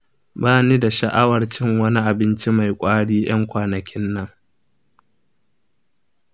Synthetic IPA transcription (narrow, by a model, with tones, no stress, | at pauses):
baː˦niː˦da˨ʃɐ˨ʔa˦wɐ˨rt͡ʃɪ˦ŋwɐ˦ni˦ʔa˨bɪ˦nt͡ʃi˦ma˨jkʷʼaː˦ɽiː˦j̰ɐ˦ŋkʷaː˨nɐ˨kʲɪ˦nːɐ˦ŋ